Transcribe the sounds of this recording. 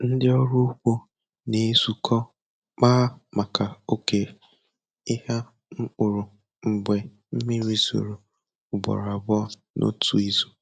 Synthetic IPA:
n̩˦dɪ˦ɔ˦ɾu˦kʷo˦ | ne˦˨˦su˦kʰɔ˦ | k͡paː˦ma˨ka˨o˦ke˦ | ɪ˦ha˦ | ŋ̩˦k͡pʊ˨ɾʊ˨ | ŋ͡m̩˨ɡ͡be˨ | m̩˦mi˦ɾi˦zo̰˨ɾo˨ | ʊ˨bɔ̰˨ɾa˨bɔ˦ | nʔo̰˦tʰu˦i˦zu˦

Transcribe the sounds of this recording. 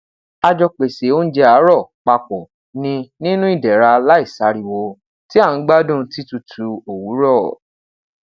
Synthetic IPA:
a˧d͡ʒɔ˧k͡pe˨se˨˦o˦n̩˦d͡ʒɛ˧a˨˦ɾɔ˦˨k͡pa˧k͡pɔ˨ | nĩ˧nĩ˦nũ˦i˦˨dɛ˨ɾa˧la˦i˦˨sa˨˦ɾi˨wo˧ | ti˦a˦˨ñ̩˨˦ɡ͡ba˦dũ˦˨˦ti˦tu˧tʰu˨˧o˨wu˨˦ɾɔ˦˨

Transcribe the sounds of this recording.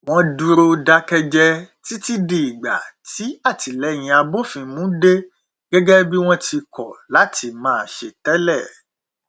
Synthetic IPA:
w̃ɔ̃˧du˧ɾo˧da˦kɛ˧d͡ʒɛ˧ti˨˦ti˦di˨i˨ɡ͡ba̰˨tʰi˨˦a˦˨ti˨lɛ˨˦˨j̃ĩ˧a˧bo˦fĩ˧mũ˨˦de˦ | ɡɛ˦ɡɛ˦bi˦w̃ɔ̃˦ti˧kɔ˨la˨˦ti˧mãː˨˦˨ʃe˨tɛ˨˦lɛ˦˨

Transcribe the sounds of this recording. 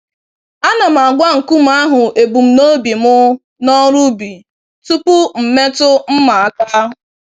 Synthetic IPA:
a˦na˨m̩˨a˨ɡʷa˦ŋ̩˨ku˦m̩˨a˦ɦʊ˨e˨bu˨m̩˦no˦bi˨mʊ˦ | nɔ˦ɾu˦bi˨ | tu˦pʊ˦m̩˨me˦tʊ˦m̩˦ma˨a˦ka˦ɦʊ˨

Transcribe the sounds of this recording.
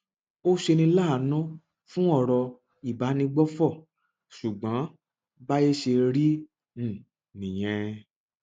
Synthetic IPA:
o˦ʃe˧nĩ˧laː˦˨˦nɔ̃˦ | fũ˦ɔ˦˨ɾɔ˧ | i˨ba˨˦nĩ˧ɡ͡bɔ˦fɔ˦˨ | ʃu˨ɡ͡bã˨˦ | ba˦je˦ʃe˧ɾĩ˦˨ | nĩ˨j̃ɛ̃˧

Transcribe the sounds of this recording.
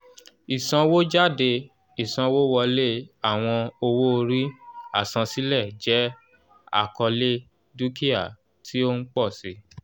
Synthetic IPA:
i˨sã˧wo˦d͡ʒa˦˨de˧ | i˨sã˧wo˦wɔ˧le˦a˨w̃ɔ̃˧o˧wo˦o˧ɾi˦a̰˦˨sã˧si˦lɛ˦˨d͡ʒɛ˨˦ | a̰˦˨kɔ˧le˦ | du˦ki˦a˦˨ | tʰi˦o˦n̩˦k͡pɔ˦˨si˧˦

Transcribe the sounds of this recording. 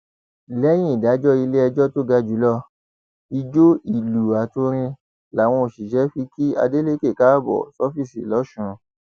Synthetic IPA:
lɛ˦j̃ĩ˦i˨da˨˦d͡ʒɔ˦i˧le˦ɛ˧d͡ʒɔ˦to˦ɡa˧d͡ʒu˨˦lɔ˦˨ | i˧d͡ʒo˦i˦˨lu˨a˨to˧ɾ̃ĩ˧ | la˨w̃ɔ̃˧o˨ʃi˨ʃɛ˨˦fi˧ki˦a̰˧de˦le˦ke˦˨ka˦bɔ̰˨sɔ˦fi˦˨sḭ˨lɔ˨˦ʃũ˧˦

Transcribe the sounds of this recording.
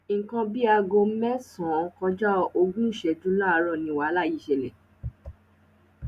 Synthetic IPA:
ŋ̩˨kã˧bi˦a˧ɡõ˧˦mɛ̃˦sɔ̃˨˦˨kɔ̃˧d͡ʒɔ˦o˧ɡũ˦ʃɛ˧d͡ʒũ˦lã˦a˧ɾɔ˦˨nĩ˧˨wa˨˦la˦˨ji˨˦˨ʃɛ˨lɛ̰˨

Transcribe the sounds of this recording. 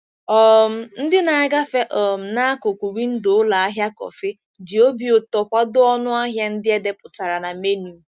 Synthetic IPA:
ɔ˦m̩˦n̩˦dɪ˦na˨a˦ɡa˦fe˦ʔɔ˨m̩˨na˦a˦kʊ˨kʷu˨wi˦n̩˦do˨ʊ˦la˨a˦ɦja˦kɔ̰˨fe˦ | dɪ˨o˦bi˨o˨tɔ˨kʷa˦dʊ˦ɔ˦nʊ˦a˦ɦja˦n̩˦dɪ˦e˦de˦pʊ˨ta˨ɾa˨na˨me˦nu˨

